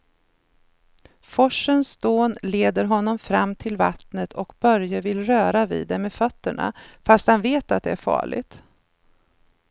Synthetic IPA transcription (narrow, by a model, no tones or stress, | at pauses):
fɔʂːənsd̪oːnleːd̪əɾɦɔnːɔmfɾamːt̪ʰɪlva̰t̪nət̪ʰɔkbœɾjəvɪlɾœːɾavḭːd̪ːɛmːefœt̪ːəɳa̰fast̪hanveːt̪at̪̚d̪ɛæɾfɑ̰ːɭɪ̰ɡt̪